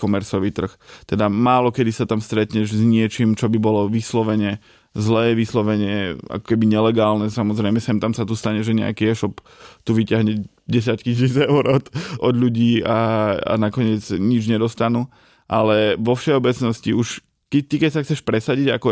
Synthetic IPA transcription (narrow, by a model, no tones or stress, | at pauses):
kɔmɛɾsɔʋiːt̪r̩xt̪ɛd̪amaːlɔkɛd̪isat̪amst̪ɾɛt̪ɲɛʒzɲɪɛt͡ʃiːmt͡ʃɔbibɔlɔʋislɔʋɛɲɛ | zlɛːʋislɔʋɛɲɛa̰kɔ̥kɛbiɲɛlɛɡaːlnɛsamɔzɾɛɪmɛsɛmt̪amsat̪ust̪aɲɛʒɛɲɛ̰a̰kiɛʃɔp | t̪uʋicɪaɦɲɛ | ɟɛs̬jaccis̬iːd͡zɛʊɾɔt̪ʔɔd̪ʎuɟiːaa̰nakɔɲɪɛd͡zɲid͡ʒɲɛd̪ɔst̪anu | ʔalɛʋɔfʃɛɔbɛt͡snɔsciuʃ | kɛt̪ikɛcsaxt͡sɛʃpɾɛsaɟiɟakɔ